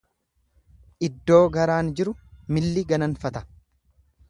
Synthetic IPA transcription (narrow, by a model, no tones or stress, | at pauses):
ʔɪd̪ːo̞ːɡɐɾaːnd͡ʒɪɾʊmɪlːɪɡɐnɐnfɐt̪ɐ̥